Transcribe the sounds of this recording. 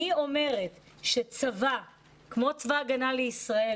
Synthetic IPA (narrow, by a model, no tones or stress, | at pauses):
io̞me̞ʁet | ʃet͡sava | kmo̞t͡svaɡanaleisʁae